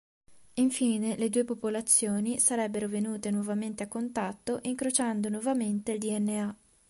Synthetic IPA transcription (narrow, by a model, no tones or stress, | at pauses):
iɱfiːneled̪uːepopolat̪sːjoːnisaɾɛbːeɾovenuːt̪enwɔvament̪eakːont̪at̪ːoʔiŋkɾot͡ʃand̪onwɔvament̪eld̪iɛnːea